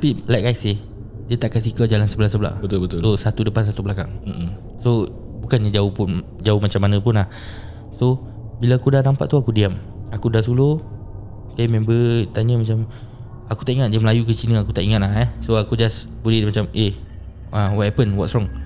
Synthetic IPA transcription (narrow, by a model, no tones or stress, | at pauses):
t̪apilajkajsɪ | diət̪aʔkasikad͡ʒalansəbəlahsəbəla̰ʔbət̪ʊbət̪sosat̪udəpans̬at̪ublakaŋ̩ | so | bukanɲad͡ʒaopʊn | d͡ʒaomat͡ʃamːanə̃pʊnlah | so | bilaakudanampa̰ʔt̪uakudiam | akudasulo | samɛ̃mbət̪aɲə̃mat͡ʃam | aku̥t̪aʔiŋat̪̚d͡ʒaməlajukət͡ʃinə̃akut̪aʔiŋat̪̚aɦahsoakud͡ʒas | bulimat͡ʃamʔe | awɔt̪̚hɛpənwɔtsɾɔŋ